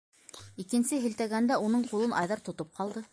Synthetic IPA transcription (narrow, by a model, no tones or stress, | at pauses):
ikɘ̆nsɘɦɘ̆lt̪æɡænd̪æunɤɴqulˠɤnʔɑjðɑɾt̪ŏt̪op̚qɑlˠd̪ɤ